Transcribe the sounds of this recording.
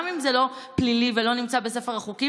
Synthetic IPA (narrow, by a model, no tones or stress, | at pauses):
mimzelo̞plilivelo̞nimt͡sabesefeʁaχuki